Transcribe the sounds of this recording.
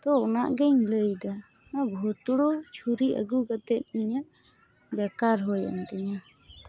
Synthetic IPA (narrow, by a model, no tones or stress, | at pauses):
t̪ɔɔnaʔɡɛɲləjd̪a | abʱɔt̪ɽɔt͡ʃʰuɾiʔə̰ɡuɡat̪ɛt̪̚ˀiɲa | bɛkaɾɦɔja̰nt̪ɛɲa